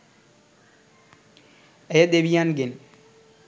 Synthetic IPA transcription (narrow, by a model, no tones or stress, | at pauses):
ejəd̪eʋijanɡen